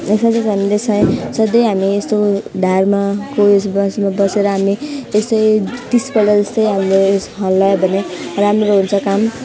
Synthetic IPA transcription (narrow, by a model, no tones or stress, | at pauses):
eksʌd̪esanilesʰʌj̃sʌd̪ʌjɦamiest̪oɖʱarmakoessmabʌseɾʌɦamiest̪ʌjt̪isbʌɽʌd͡zʌst̪ʌjɦamɾosɦʌlːʌjebʱʌneramrɾoɦunt͡sʰʌkam